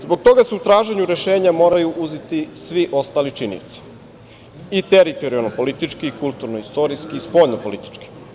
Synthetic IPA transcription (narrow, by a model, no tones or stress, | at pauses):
zbo̞ɡ̚t̪o̞ɡaseut̪ɾaːʒeɲuɾe̞ʃe̞ːɲamo̞ːɾajuʔuzet̪isʋiʔo̞st̪aːlit͡ʃinḭt̪si̥ | it̪eɾit̪o̞ɾialnopo̞lit̪it͡ʃkiːkulˠt̪uɾnoist̪o̞ɾiskiːspo̞ːʎnopo̞lit̪i̥t͡ʃki̥